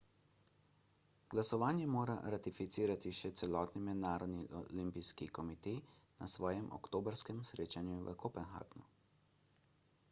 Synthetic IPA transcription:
ɡlasɔʋaːnjɛmoːɾa̰ɾat̪ifit̪siːɾat̪iʃɛt̪sɛlɔːt̪nimɛd̪naːɾɔd̪niʔɔlimpijskikɔmit̪eːjna̰sʋɔːjɛmʔɔ̰kt̪oːbəɾskɛmsɾeːt͡ʃanjuʋə̰kʰoːpɛnxa̰ːɡnu

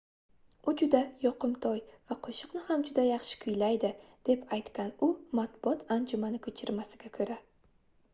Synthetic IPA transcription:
ʊd͡ʒʊd̪ajɒqɨmt̪ʰɒjv̥aqʰoʃɨ̥qnɪhamd͡ʒʊd̪ajɑχʃɪ̥kʰʊjlajd̪ɪd̪̥e̞pʰajt̪kʲanʊmat̪̚bʊɒt̪ʰand͡ʒʊmanɪkʰɵt͡ʃʰɪɾmasɪɡʲakʰɵɾa

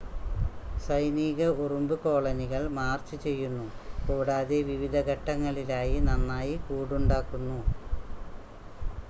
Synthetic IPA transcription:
sɐjniːɣɐurumbɨko̞ːɭɐniɣɐɭmaːrt͡ɕːɨt͡ɕe̞jːunːukuːɽaːðeʋiʋid̪ʱɐɡɐʈːɐŋːɐɭilaːjinɐnːaːjikuːɽuɳɖaːkːunːu

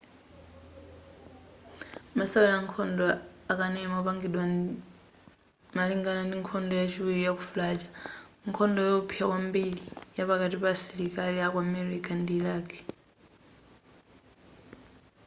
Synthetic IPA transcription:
masawjaŋkʰɔndɔakanɛmapaŋɡiɗwa | maliŋɡanandiŋkʰɔndɔjat͡ʃʰiwiɾijakufulat͡ʃaŋkʰɔndɔjɔpʰiakwambilijapakatipasiɾikaliakwamɛɾikandilaːkɛ̥

